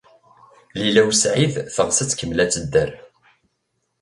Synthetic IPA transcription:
lilæwsʕiðθəʁsət͡sːkəmːlæt͡sːəd̪ːəɾ

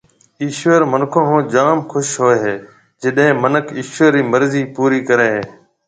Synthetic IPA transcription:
iːʃəɾmənkʰõːɦõːd͡ʒaːmxʊʃɦoːeɦeː | d͡ʒɪɗɦẽːmənəkʰiːʃʋəɾiːməɾziːpuːɾiːkəɾeːɦeː

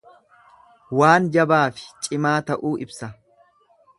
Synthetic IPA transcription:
waːnd͡ʒɐbaːfɪ̥t͡ʃʼɪmaːt̪ɐʔuːɪbsɐ

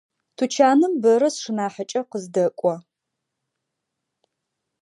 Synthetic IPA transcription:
tʰut͡ʃʰaːnɨmbɐɾɐsʂɨnaːħɐt͡ʃʼɐqəzdɐkʷʼɔ

